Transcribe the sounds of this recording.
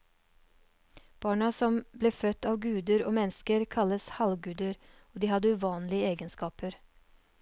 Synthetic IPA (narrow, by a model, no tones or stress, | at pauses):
b̥ɑːɳɑsɔmbleːfœt̪ːɑːʋɡʉːd̪əɾo̰ːmɛnskəɾkʰɑləshɑlɡʉːd̪əɾoːd̪iːhɑd̪əʉʋɑːnlɪəeːɡənskɑːpəɾ